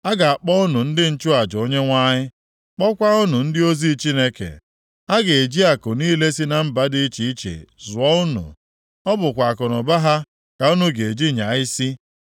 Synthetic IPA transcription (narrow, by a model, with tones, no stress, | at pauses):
a˦ɡa˨a˨k͡pɔ˦ʊ˦nʊ˨n̩˦dɪ˦n̩˦t͡ʃʊ˦a˨d͡ʒo˦ɲe˦ŋʷa˦ɲɪ˦ | k͡pɔ˦kʷa˦ʊ˦nu˨n̩˦dɪ˦o˦zi˦t͡ʃi˦ne˦kḛ˨ | a˦ɡe˨e˨d͡ʒi˦a˨kʊ˨niː˦le˦si˦na˨m̩˦ba˦dɪ˦i˦t͡ʃi˨i˦t͡ʃḛ˨zʊ˨ɔ˦ʊ˦nṵ˨ | ɔ˦bʊ˨kʷa˨kɔ˨nɔ˨ba˦ɦa˦ | ka˨u˦nu˦ɡe˨e˨d͡ʒi˦ɲa˨ɪ˦si˦